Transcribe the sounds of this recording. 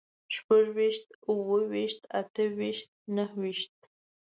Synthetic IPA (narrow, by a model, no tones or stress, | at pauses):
ʃpaʒwiʃt̪uwəwiʃt̪a̰t̪əwiʃt̪̚nəhwiʃt̪̚